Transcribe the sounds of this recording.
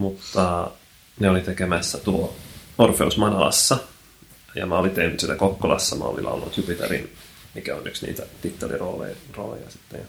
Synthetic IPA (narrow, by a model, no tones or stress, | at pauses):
mut̪ːɑ | neolit̪ekemæsːæt̪uoorfeusmɑnɑlɑ̰sːɑ | jɑ̰mæolit̪ehnyt̪sinːækokːolɑsːɑmæ̰o̰lḭlɑ̰olːunːut̪jupit̪eɾḭn | mikæonyksnḭːt̪æt̪it̪ːɑlḭroːlḛjro̰ːlḛjɑsi̥t̪ːeɑ